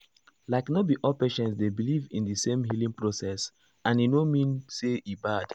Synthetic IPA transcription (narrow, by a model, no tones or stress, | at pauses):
laɪknɔt̚biʔɔpeʃɛ̃ntsdebilivḭ̃nðisẽmɦilĩŋpɹosɛs | ãninomĩnseibad̥